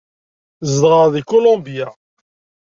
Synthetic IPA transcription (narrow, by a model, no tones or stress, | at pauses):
zd̪ʁəðikulõmbija